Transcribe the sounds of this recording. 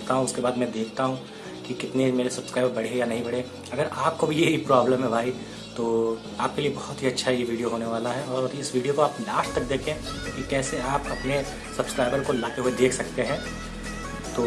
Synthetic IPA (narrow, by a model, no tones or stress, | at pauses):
t̪aɦũʊskebaːd̪mɛ̃d̪eːkʰt̪aɦũ | kikɪt̪nemeːɾesɐbskɾaːɪbəɾbɐɽ̤ejanɐɦĩbɐɽ̤e | ɐɡəɾaːp̚kobʱijeɦipɾaːbləmɦɛbʱaːi | t̪oː | aːp̚keliebɐhʊt̪ɦiɐtːʃʰaɦɛjeʋiːɖijoɦoːneʋaːlaɦɛɔːɾɪsʋiːɖijokoaːpnaːʃt̪ɐk̚d̪eːkʰẽkikɛːseaːpɐpne | sɐbskɾaːɪbəɾkolaːt̪eɦued̪eːkʰsɐkt̪eɦɛ̃ː | t̪oː